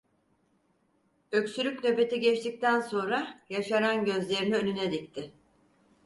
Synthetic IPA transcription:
ø̞csylʲycʲnøbe̞t̪ʰiɟɛt͡ʃt̪ʰic̚t̪ʰænso̞nɾajaʃananɟø̞zlʲe̞ɾiniønynɛd̪ic̚t̪ʰɪ

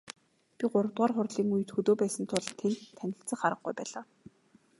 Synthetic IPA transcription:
pʲiɢʊɾə̆wt̪ʁaːrχʊrɮiːŋujɘ̆t̪xɵt̪oːpæːsə̆nt̪ʰʊɮt̪ʰent̪ʰːænʲɪ̆ɬt͡sə̆ŋχaɾə̆χ̚ɡujpæːɮaː

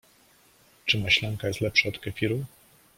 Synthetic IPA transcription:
t͡ʂɘmaɕlaŋkajɛst̪lɛpʂaɔt̪kɛfʲiɾu

